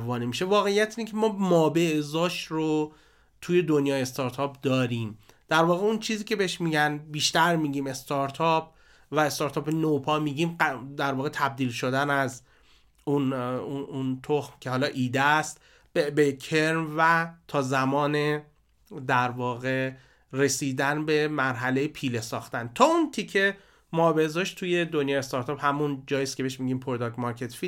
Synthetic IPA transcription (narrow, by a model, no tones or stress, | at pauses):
vɒːnimiːʃe̞vɒːɣe̞ijæt̪ʰiːnecʲʰemɒːmɒːbe̞ʔzɒːʃro | t̪ʰuːje̞d̪o̞njɒːjest̪ɒːɾt̪ʰɒːp̚d̪ɒːɾiːm | d̪̥æɾvɒːɣeunt͡ʃʰiːziːcʲʰe̞beheʃmiːɟænbiːʃt̪æɾmiːɡiːme̞st̪ɒɾt̪ʰɒp̚ʰ | væest̪ɒːɾt̪ʰɒːpenopʰɒːmiːɟiːmd̪æɾvɒːɣet̪ʰæb̚d̪iːlʃo̞d̪ænæz | unuunt̪ʰoxmcʰe̞hɒːlɒːʔiːd̪est̪ | bebekʰeɾmvæt̪ʰɒːzæmɒːne | d̪æɾvɒːɣe̞ | re̞siːd̪ænbe̞mæɾɦæle̞jepʰiːlesɒːxt̪ænt̪ʰɒːunt̪ʰicʰe | mɒːbe̞zɒʃt̪t̪ʰuːje̞d̪onjɒːest̪ɒɾt̪ʰɒːphæmund͡ʒɒːjiːskʲcʰeeeʃmiɟiːmpʰoɾod̪ɒɡmɒɾcʰet̪fi̥